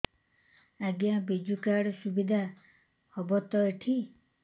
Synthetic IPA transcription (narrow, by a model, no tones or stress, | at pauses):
aɡjabid͡ʒukaɽɔsubid̪ʱa | hɔbɔt̪ɔeʈʰi